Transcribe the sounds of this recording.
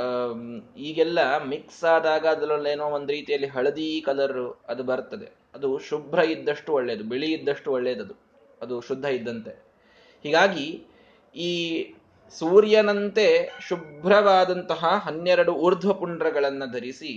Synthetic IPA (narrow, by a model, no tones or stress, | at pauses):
iːɡɛlːɐmiksaːd̪aːɡaːd̪ɐlɐlːeːnoːond̪ɾiːt̪ijɐlːiɦɐɭɐd̪iːkɐlɐɾɾuɐd̪ubɐɾt̪ɐd̪e̞̰ | ɐd̪uʃubʱɾɐid̪ːɐʂʈuɔɭːeːd̪ubiɭiid̪ːɐʂʈuɔɭːeːd̪ɐd̪u | ɐd̪uʃud̪ʱːɐid̪ːɐnt̪e̞ | hiːɡaːɡi | iː | suːɾjɐnɐnt̪e̞ʃubʱɾɐʋaːd̪ɐnt̪ɐɦɐɦɐnjɛɾɐɽuuːɾd̪ʱʋɐpuɳɖɾɐɡɐɭɐnːɐd̪ʱɐɾisi